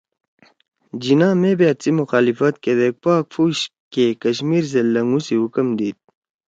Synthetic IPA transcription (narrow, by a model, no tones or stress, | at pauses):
d͡ʑinãːmebet̪t͡simuxaːlifət̪ked̪ek̚paːkfʰuːɕkekɐɕmiːɾs̬elɐŋɡũsiɦukəmd̪iːt̪̚